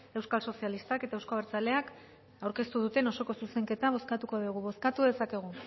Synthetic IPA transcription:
e̞wskalso̞sialist̪ake̞t̪aewskoβeɾt͡sale̞ak | awɾke̞st̪uðut̪e̞no̞so̞ko̞suse̞ŋke̞t̪aβ̞o̞skat̪uko̞ðiuɣ̞uβo̞skat̪uðe̞sake̞ɣ̞u

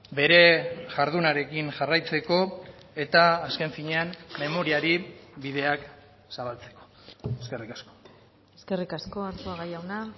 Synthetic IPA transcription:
be̞ɾe̞ʝaɾðunaɾe̞kinʝarajt͡se̞ko̞e̞t̪aːske̞ɱfiɲe̞amːe̞mo̞ɾiaɾiβiðe̞ak | saβalt͡se̞̥ko̞̥ | eskerikasko̞ | eske̞rikasko̞aɾt̪uaɣajawna

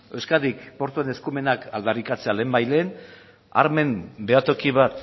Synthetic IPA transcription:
e̞wskat̪ðikpo̞ɾt̪uene̞skume̞nakald̪arikat͡se̞ale̞ːmbajle̞ːn | a̰ɾme̞mbe̞at̪o̞kiβat̪

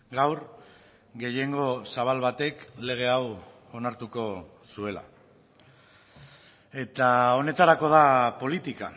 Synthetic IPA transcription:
ɡawɾ | ɡe̞je̞ŋɡo̞saβ̞alβat̪e̞kle̞ɣ̞e̞aw | o̞naɾt̪uko̞ | sue̞la̰ | e̞t̪ao̞ne̞t̪aɾako̞ð̞apo̞lit̪ika̰

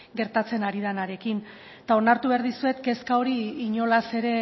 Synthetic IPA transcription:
ɡe̞ɾt̪at͡se̞naɾiðanaɾe̞kin | t̪ao̞naɾt̪uβe̞aɾðisue̞t̪ke̞skao̞ɾiːɲo̞lase̞ɾe̞

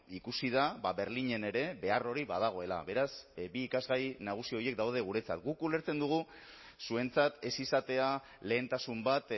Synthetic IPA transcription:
ikusiðabaβe̞ɾliɲe̞ne̞ɾe̞be̞aro̞ɾiβað̞aɣ̞o̞e̞la̰βe̞ɾasbiːkazɣajnaɣ̞usioje̞k̚d̪awð̞e̞ɣ̞uɾe̞t͡sat̪ɡukule̞ɾt͡se̞nd̪uɣ̞u | sue̞nt͡sat̪e̞sisat̪e̞a | le̞ːnt̪asumbat̪

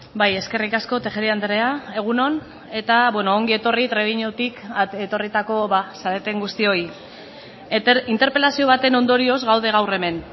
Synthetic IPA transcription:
baje̞ske̞rikasko̞t̪e̞ʝeɾiand̪eɾeae̞ɣ̞uno̞n | e̞t̪aβwenoːŋɡie̞t̪o̞rit̪ɾe̞ɣiɲot̪iket̪o̞rit̪ako̞βasaɾet̪e̞ŋɡust̪io̞j | int̪eɾpe̞lasio̞β̞at̪e̞no̞nd̪o̞ɾio̞zɣawð̞e̞ɣ̞awre̞me̞n

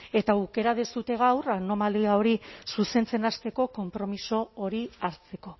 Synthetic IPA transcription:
e̞t̪auke̞ɾaðesut̪e̞ɣ̞awrano̞maliao̞ɾisuse̞nt͡se̞nast̪e̞ko̞ko̞mpɾo̞miso̞ːɾiaɾt͡se̞ko̞

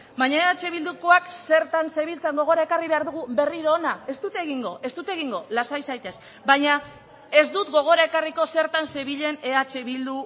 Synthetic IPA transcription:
baɲae̞at͡ʃe̞β̞ild̪ukoakse̞ɾt̪anse̞βilt͡seŋɡo̞ɣo̞ɾae̞kariβe̞aɾðuɣube̞riɾo̞ːnae̞st̪ut̪eɣiŋɡo̞ʔe̞st̪ut̪eɣ̞iŋɡo̞lasajsajt̪e̞s | baɲa | e̞zd̪ut̪ɡo̞ɣ̞o̞ɾae̞kariko̞se̞ɾt̪anse̞βiʎe̞ne̞at͡ʃe̞βild̪u

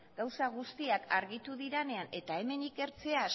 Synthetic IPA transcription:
ɡawsaɣ̞ust̪iakaɾɣit̪uðiɾene̞ane̞t̪ae̞me̞nike̞ɾt͡se̞a

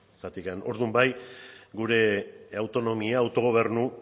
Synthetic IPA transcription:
sat̪ikano̞̰ɾðumbajɡuɾe̞awt̪o̞no̞miaːwt̪o̞ɣ̞o̞β̞e̞rnu

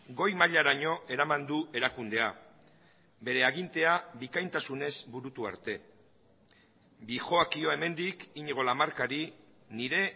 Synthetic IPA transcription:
ɡo̞jmaʎaɾaɲo̞ʔe̞ɾamand̪ue̞ɾakund̪e̞a | be̞ɾe̞aɣint̪e̞abikajnt̪asune̞zbuɾut̪ua̰ɾt̪e̞ | bixo̞akio̞e̞me̞nd̪ikiɲeɣ̞o̞lamaɾkaɾi | niɾe̞

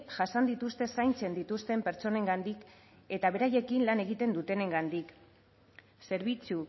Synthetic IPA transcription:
ʝasand̪it̪ust̪e̞sajnt͡se̞nd̪it̪ust̪e̞mpe̞ɾt͡so̞ne̞ŋɡand̪ik | e̞t̪aβ̞e̞ɾaje̞kinlane̞ɣ̞it̪e̞nd̪ut̪e̞ne̞ŋɡand̪ik | se̞ɾβ̞it͡su

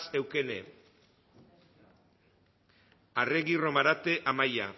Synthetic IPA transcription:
se̞wke̞ne | areɣiro̞maɾat̪e̞ʔamaja̰

